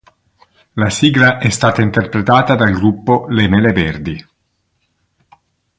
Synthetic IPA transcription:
lasiːɡɾaʔɛst̪aːt̪aint̪erpɾet̪aːt̪ad̪alɡɾupːolemeleverd̪i

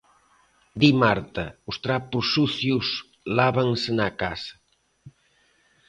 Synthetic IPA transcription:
d̪imaɾt̪ɐust̪ɾapusuθjus | laβaŋsenakasɐ̥

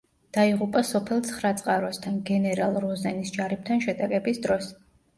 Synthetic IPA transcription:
d̪̥aiʁupʼasɔpʰɛlˠt̪sʰχɾat̪sʼqʼaɾɔst̪ʰanɡɛnɛɾalˠɾɔzɛnisd͡ʒaɾip̚t̪ʰanʃɛd̪akʼɛbisd̪ɾɔs

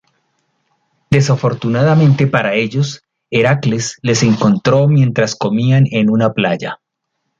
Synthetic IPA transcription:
d̪e̞safo̞ɾt̪unaðamẽ̞nt̪e̞paɾae̞ʎo̞s | e̞ɾaklesle̞se̞ŋko̞nt̪ɾo̞mje̞nt̪ɾasko̞miane̞nunaplaʝa

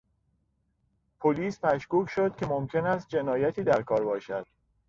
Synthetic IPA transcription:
pʰoliːsmæʃkuːcʃo̞d̪̥̚cʰʲe̞momcʰʲe̞næst̪̚d͡ʒe̞nɒːjæt̪ʰiːd̪æɾkʰɒːɾbɒːʃæd̪̥

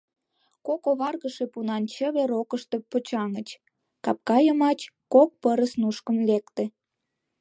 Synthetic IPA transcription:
kokoβɑrɣəʃe̽punɑnt͡ɕəβeɾokəʃt̪e̽pət͡ɕɑŋət͡ɕ | kɑp̚kɑjəmɑt͡ɕkok̚pəɾəsnuʃkəmlekt̪e

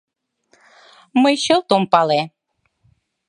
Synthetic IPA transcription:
məjɕəlt̪ompɑle

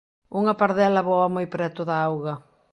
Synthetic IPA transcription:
uŋɐpaɾðɛlɐβɔɐmojpɾɛt̪ʊðɐawɣɐ

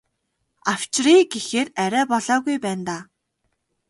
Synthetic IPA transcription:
aw̥t͡ɕriːɡexeːræɾʲæːpɔɮaːɣujpæːnt̪aː

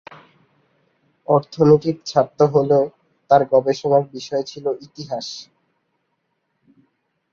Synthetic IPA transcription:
ɔɾt̪ʰoniʈit̪t͡ɕʰap̚t̪ːoɦole | t̪aɾɡɔbeʃomak̚biʃɔet͡ɕʰiloʔit̪iɦaʃ

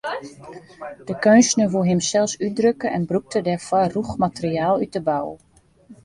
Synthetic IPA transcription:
d̥əkønsnəʋulˠɦɪmsɛlˠsydrøkəʔɛnbruk̚tʰədɛfɔruxmatəriaːlˠyt̚əbaw

